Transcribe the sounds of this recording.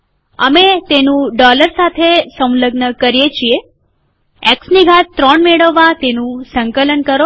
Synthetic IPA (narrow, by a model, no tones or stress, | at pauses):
əmet̪enũɖɔləɾsat̪ʰesə̃w̃ləɡnəkəɾijet͡ʃʰie | ɛksniɡʱatt̪ːɾɔɳmeɽəʋːat̪enũsəŋkələnkəɾo